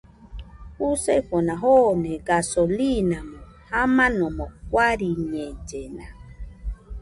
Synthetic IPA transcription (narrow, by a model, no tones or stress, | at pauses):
huseɸonaɦoneɡasolinamõ | hamãnõmokʷaɾiɲed͡ʒena